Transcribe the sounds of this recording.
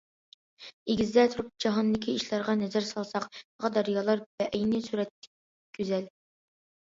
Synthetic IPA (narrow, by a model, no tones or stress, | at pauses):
eɡʲɪzd̪ɛt̪ʰuɾup̚d͡ʒɑɦɑnd̪ɪkʲʰiiʃlˠɑɾʁɑnɛzæɾsɑlˠsɑqbɑʁɑd̪ɑɾjɑːlˠɑɾb̥ɛʔɛjnɪsuɾɛt̪ːɪ̥k̚ʲ | kʲʰːyzɛl